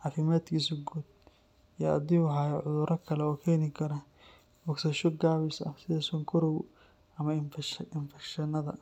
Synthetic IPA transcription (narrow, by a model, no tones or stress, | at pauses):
ʕɑːfɪmaːd̪kʰiːsʊɡuːd̪̚ | ijɐ̰d̪ɪʊɦaːjɐʕʊðʊɾʔɐkʰɐlɛɔːkʰɛːnɪkʰɐɾɐ | bɔksɐʃɔɡaːβɪsɐ̰sɪðɐsɔŋkʰɔɾɔw | ɐmɐɪnfɛkʃɐnɐðɐ̰